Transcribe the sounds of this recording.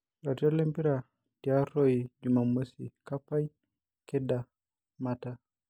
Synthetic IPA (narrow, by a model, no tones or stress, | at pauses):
latiɔlɛmpiɾa | diaɾoid͡ʒumamosḭkapaj | kɛda | mata